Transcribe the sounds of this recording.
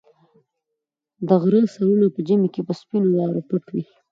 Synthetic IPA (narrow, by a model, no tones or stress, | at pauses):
d̪əɣɾəsaɾunapəd͡ʒimekepəspinowɑɾapəʈwi